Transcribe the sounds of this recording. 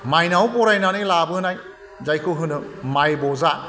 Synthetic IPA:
majnawbɔɾajnanɯjlabɯɯnaj | zajkʰɯɦɯnɯmajbɔza

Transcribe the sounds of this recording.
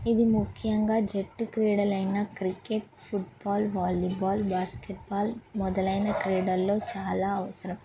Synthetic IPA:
id̪imukʰːjɐŋɡaːd͡ʒeʈːukɾeːɽɐlɐjnɐkɾikeʈ | pʰuʈbaːlʋaːlibaːlbaːskeʈ̚baːlmɔd̪ɐlɐjnɐkɾeːɽɐlːo̞ːt͡ʃaːlaːɐʋɐsɐɾɐm

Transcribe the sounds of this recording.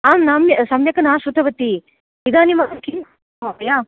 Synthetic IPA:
aːmnaːmjɐsɐmjɐkɐnaːʃut̪ʰɐʋɐt̪i | id̪aːnimaːnɐkin | abɐjaː

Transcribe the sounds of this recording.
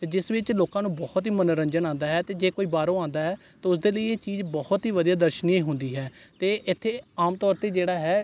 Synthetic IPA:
t̪eːd͡ʒɪsʋɪt͡ʃloːkãːnũːbɔːt̪ɦiːmənoɾəɲd͡ʒənãːnd̪aːɦɛːt̪eːd͡ʒeːkoːiːbaːɾõːãːnd̪aːɦɛː | t̪eːʊsd̪eːləiːeːt͡ʃiːzbɔht̪ɦiːʋəd̪ijaːd̪əɾʃnẽɦʊ̃nd̪iːɦɛːt̪eːʔɪt̪ʰːeːaːmt̪ɔːɾt̪eːd͡ʒeːɽaːɦɛː

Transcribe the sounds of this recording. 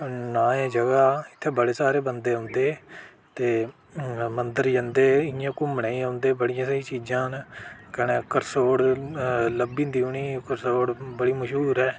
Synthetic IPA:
nãːeːd͡ʒəɡaːɪt̪ʰːeːbəɽeːsaːɾeːbənd̪eːãʊnd̪eː | t̪eː | mənd̪əɾd͡ʒənd̪eːɪjãːkʊmɳẽːiːɦãːʊnd̪eːbəɽɪjãːsəĩːt͡ʃiːd͡ʒãːnkɛneːkəɾsoːɽləbĩːd̪iːʊɳiːkəɾsoːɽbəɽiːməʃɦuːɾɛː

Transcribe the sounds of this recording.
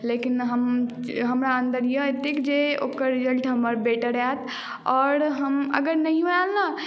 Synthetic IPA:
lekinɦəm | ɦəmɾaənd̪əɾjəet̪ikd͡ʒeokəɾːid͡ʒəlʈɦəməɾbeʈəɾɛt̪ʰ | ɔːɾɦəmə̰ɡəɾnəɦĩɦoalna

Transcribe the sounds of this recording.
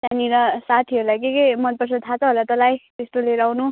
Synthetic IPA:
taniɾʌsat̪ʰiʌɾulajkekʌjmʌn̚pʌrsʌt̪ʰat͡sʰʌɦolat̪ʌlajt̪est̪oleɾawnu

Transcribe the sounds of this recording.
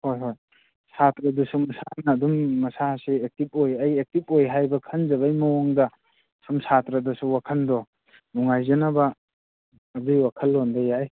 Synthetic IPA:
hojɦoj | satɾɐdusumɐsanɐːdumːɐsaseek̚tip̚ojɐjek̚tip̚ojɦajbɐkʰɐnzɐbajmɐwɔŋdɐ | sumsatɾɐdɐsuwakʰɐndɔ | nuŋajzɐnɐbɐː | dujwakʰɐlːondajaj

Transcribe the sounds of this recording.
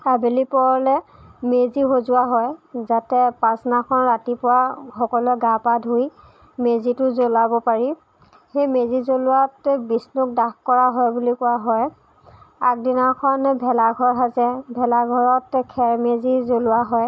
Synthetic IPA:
abelipɔɹɔlɛmeziɦozʊwaɦɔjzatɛpasnakʰɔnɹatipʊwaxɔkɔlɛɡapadʱuj | mezitʊzolabɔpaɹi | xejmezizolʊwatbisnʊk̚dakkɔɹaɦɔjbulikɔwaɦɔj | ak̚dinakʰɔnbʱɛlaɡʱɔɹɦazɛbʱɛlaɡʱɔɹɔtkʰɛɹmezizolʊwaɦɔj

